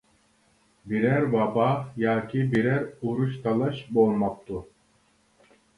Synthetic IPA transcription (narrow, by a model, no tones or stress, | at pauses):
biɾæɾbabajaːkʲʰibiɾæɾuɾuʃt̪ʰalˠaʃbolmap̚t̪u